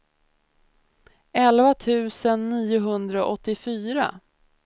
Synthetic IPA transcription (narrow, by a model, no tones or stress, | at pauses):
ɛlvat̪ʰʉ̟ːsənːiːʊɦɵnd̪ɾaɔʔɔt̪ːɪfyːɾa̰